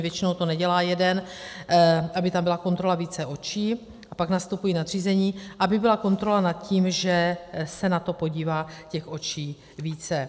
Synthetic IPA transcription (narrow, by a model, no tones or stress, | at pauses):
vjɛt͡ʃɪnowt̪o̞nɛɟɛlaːjɛdɛn | ʔabɪt̪ambɪlako̞nt̪ɾo̞laviːt͡sɛʔo̞t͡ʃiː | ʔapaɡnast̪upujiːnad̪r̝iːzɛɲiːʔabɪbɪlako̞nt̪ɾo̞lanat̪̚ciːmʒɛsɛnat̪o̞po̞ɟiːvaːcɛxʔo̞t͡ʃiː | viːt͡sɛ